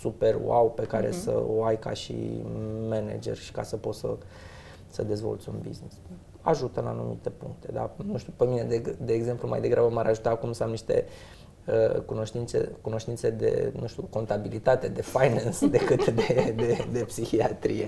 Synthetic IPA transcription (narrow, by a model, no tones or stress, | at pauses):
supe̞r̰awpe̞kaɾe̞̰sə̰o̰ajkaʃḭmenḛd͡ʒe̞̰rʲʃi̥kasəpo̞t̪sə | səd̪e̞zvo̞̰lt̪sʲunbḭznis | a̰ʒut̪əɨna̰numit̪e̞puŋk̚t̪e̞d̪a̰nuʃt̪ʲupe̞mine̞d̪ed̪e̞ːɡze̞mpluma̰jd̪e̞ɡɾabəmaɾʔaʒut̪aːkumsəamniʃt̪e̞̰ | əkuno̞ʃt̪int̪se̞̰kuno̞ʃt̪int̪se̞d̪e̞̰nũʃt̪uko̞nt̪abilit̪at̪e̞d̪e̞fajnansd̪e̞kɨt̪d̪ed̪ed̪epsixiat̪ɾije